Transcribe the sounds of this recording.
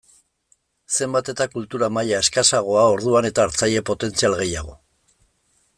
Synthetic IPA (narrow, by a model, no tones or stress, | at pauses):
se̞mbat̪e̞t̪akult̪uɾamajaeskasaɣ̞o̞ao̞ɾð̞uane̞t̪aːɾt͡saje̞po̞t̪e̞nt͡sialɣe̞jaɣo̞